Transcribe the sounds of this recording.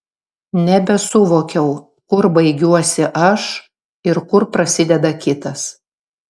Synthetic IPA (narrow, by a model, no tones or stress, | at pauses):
nʲɛbʲɛsʊʋoːkʲɛʊ | kʊɾbɐɪɡʲuɔsʲɪʔɐʃ | ɪɾkʊɾpɾɐsʲɪd̪ʲɛd̪ɐkʲɪt̪ɐs